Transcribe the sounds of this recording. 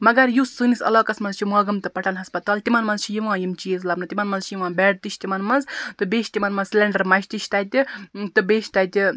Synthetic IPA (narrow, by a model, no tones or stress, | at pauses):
mɐɡɐɾjusɨːnisɐ̰loːkɐsmɐnzt͡ʃʰimɐːɡɐmt̪ɨpɐʈɐnɦɐspɐt̪aːlt̪imɐnmɐnzt͡ʃʰijiʋãːjimt͡ʃiezlɐpnɨt̪imɐnmɐnzt͡ʃʰijiʋãːbɛːʈ̚t̪it͡ʃʰʲt̪imɐnmɐnzt̪ɨbeːʃʲt̪imɐnmɐzslʲeɳɖɐɾmɐʃʲt̪iʃʰt̪ɐt̪ʲit̪ɨbeːʃʲt̪ɐt̪ʲi